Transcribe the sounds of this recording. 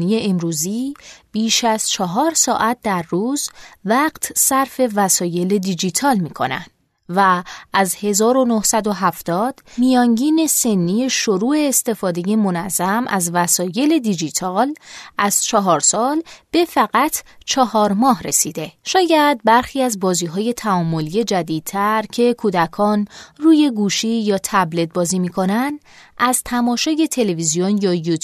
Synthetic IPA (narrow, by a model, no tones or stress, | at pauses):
nije̞ʔemɾuːziːb̥iːʃæz̥t͡ʃʰɒɦɒːɾsɒ̰ːʔæt̪̚ʰd̪æɾːuːzvæːɢt̪ʰsæɾfe̞væsɒːje̞le̞d̪id͡ʒit̪ʰɒːlmiːkʰo̞̰næ̰nd̪̥ | væːzhe̞zɒːɾo̞nohsæd̪o̞ɦæft̪ɒːd̪̥mijɒːŋɟiːne̞se̞nːije̞ʃoɾuːe̞ːst̪e̞fɒːd̪e̞je̞mo̞næzːæmʔæzvæsɒːje̞le̞d̪id͡ʒit̪ʰɒːlʔæz̥t͡ʃʰɒɦɒːɾsɒːlb̥e̞fæɣæt̪ʰt͡ʃʰɒhɒːɾmɒːɦɾe̞sid̪e̞ʃɒːjæd̪̚bæɾxiːæzbɒːziːɦɒːje̞t̪ʰæɒːmːo̞lije̞d͡ʒæd̪iːd̪̚t̪ʰæɾcʰe̞kʰuːd̪ækʰɒːnruːje̞ɡuːʃijɒːt̪ʰæblet̪̚bɒːziːmiːkʰo̞nænd̪ | æzt̪ʰæmɒːʃɒːje̞t̪ʰe̞le̞vizijonjɒːjut̪ʰ